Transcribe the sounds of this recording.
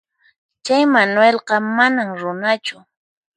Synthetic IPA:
t͡ʃajmanwelqɑmanaŋɾʊnat͡ʃʊ

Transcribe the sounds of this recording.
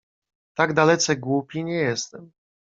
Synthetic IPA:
t̪aɡd̪alɛt̪sɛɡwupʲiɲɛjɛst̪ɛm

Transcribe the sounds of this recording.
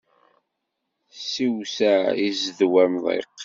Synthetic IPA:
siwsæizðwæmðˤḛqː

